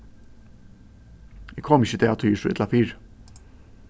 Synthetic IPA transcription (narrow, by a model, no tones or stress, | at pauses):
ɛkʰɔmɪçəd̪ʰeːɑt̪ʰoːjiːʂuːɛ̰t̪ɑfiːɾ